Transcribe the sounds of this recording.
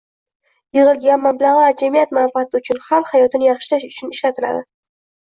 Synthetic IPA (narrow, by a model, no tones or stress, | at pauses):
jɪʁɨlˠɡʲanmamblaʁad͡ʒamijat̪manfɪat̪ɪʊt͡ʃʰʊnχalˠhajɒt̪ɪnɪjɑχʃɪlaʃʊt͡ʃʰʊnɪʃlat̪ʰɪla̰d̪ɪ